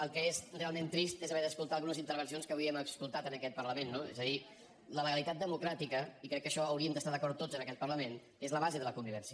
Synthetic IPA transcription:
əlˠkɛest̪ut̪alˠment̪ɾist̪ezəβɛɾðəskulˠt̪alˠɣunəzint̪əɾβ̞ənsionskəβiɛməskulˠt̪at̪ənəkɛt̪̚pəɾləmenːoḛzəði | lələɣəlit̪at̪̚d̪əmukɾat̪ikəikɾɛkːəʃɔəwɾiəmd̪əst̪aðəkɔɾt̪ːod͡zənəkɛt̪̚pərləmen | ezləβazeðələkumbiβɛnsiə

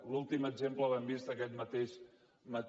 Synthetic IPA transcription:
lulˠt̪iməɡzempləβɛmbist̪əkɛt̪mət̪eʃ | mət̪

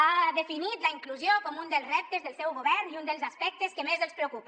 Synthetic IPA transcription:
aðefinit̪laiŋkluzjokɔmund̪elˠzrɛp̚t̪ezðelˠsɛwɣoβɛɾniund̪elzaspɛk̚t̪eskemezelˠspɾeowkupa

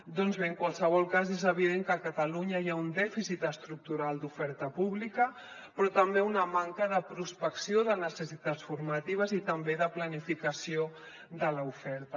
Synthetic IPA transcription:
d̪ɔnzβeəŋkwalˠsəβ̞ɔlˠkazezəβ̞iðeŋkəkət̪əluɲəiaund̪ɛfisit̪əst̪ɾuk̚t̪uɾalˠd̪ufɛɾt̪əpuβlikə | pɾɔt̪əmbeunəmaŋkəðəpɾuspəksioðənəsəsit̪att͡sfuɾmət̪iβ̞əzit̪əmbeðəplənifikəsio | ðələufɛɾt̪ə

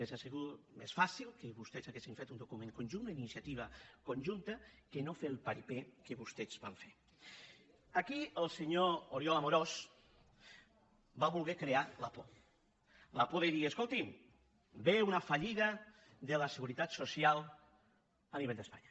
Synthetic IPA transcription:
esaseɣumḛsfasilˠkəβust̪ezaɣesiɱfet̪und̪okumẽŋkonʲʒund̪əinisjat̪iβ̞əkonʲʒunt̪əkenofelˠpaɾipekəβust̪ezβa̰ɱfe | akiəlˠseɲooɾjɔlamoɾos | baβulˠɣɛkɾealapo | lapoðeðiəskolˠt̪im | beunafaʎiðə | ðələseɣuɾit̪at̪sosialˠ | əniβeʎʲd̪əspaɲɐ

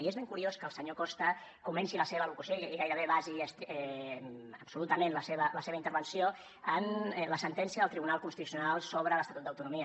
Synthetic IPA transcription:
iezβeŋkuɾioskəːlˠsəɲokɔst̪ə | kumɛnsiləseβəːlukusjoikiɣajɾəβeβaziəst̪ɛ | əpsulut̪əmẽnləseβələseβəint̪əɾβənsio | ənləsənt̪ɛnsiəðəlˠt̪ɾiβunalˠkunst̪it̪usiunalˠsoβɾələst̪at̪ut̪d̪əwt̪unumiə

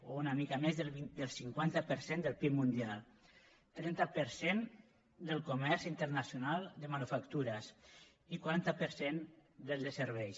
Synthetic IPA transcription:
ounamikamezðəlβid̪əlˠsiŋkwant̪apəɾsend̪əlˠpimund̪ialˠ | t̪ɾɛnt̪apəɾsen | d̪əlˠkumɛɾzint̪əɾnasjunalˠd̪əmanufakt̪uɾəs | ikwaɾant̪apəɾsend̪əlˠd̪əsəɾβɛjs

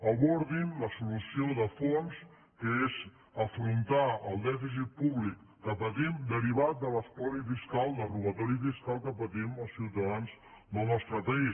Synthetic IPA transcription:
əβɔɾðimləsulusioðəfons | kəez | əfɾunt̪aəlˠd̪ɛfis̬it̪̚puβlikːəpət̪imd̪əɾiβat̪̚d̪ələspɔɾifiskalˠd̪əruβət̪ɔɾifiskalˠkəpət̪iməlˠsiwt̪əðanz | nomɔst̪ɾəpəis

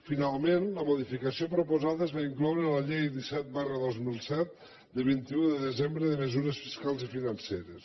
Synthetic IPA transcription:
finalˠmẽnləmuðifikəsiopɾupuzaðəzβaiŋklɔwɾələʎejðisɛt̪̚barəðozmilˠsɛt̪̚ | d̪əβint̪iuðəðəzembɾəðəməzuɾəsfiskalˠzifinənseɾəs

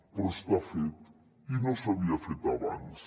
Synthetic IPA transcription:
poɾst̪afet̪ | inosaβiafet̪aβans

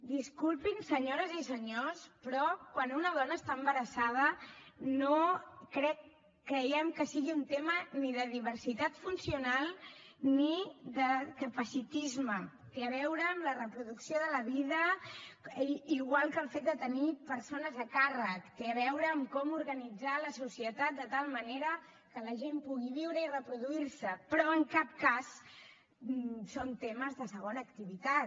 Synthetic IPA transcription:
d̪iskulˠpinsəɲoɾəzisəɲospɾɔkwanunəð̞ɔnəːst̪aəmbəɾəsað̞ənokɾɛkː | ɾəjɛmkəsiɣiunt̪eməniðəðiβ̞əɾsit̪at̪funsiunalˠniðəkəpəsit̪izmə | t̪eəβɛwɾəːmlərəpɾuðuksioðələβiðə | iɣwalˠkəlˠfet̪̚d̪ət̪ənipəɾsonəzəkarəkt̪eβɛwɾəːmkɔmuɾɣənid͡zaləsusiət̪at̪̚d̪ət̪alˠməneɾə | kələʒempuɣiβiwɾəirəpɾuðuiɾsəpɾɔəŋkap̚kas | sont̪eməzðəsəɣ̞onəːkt̪iβit̪at̪

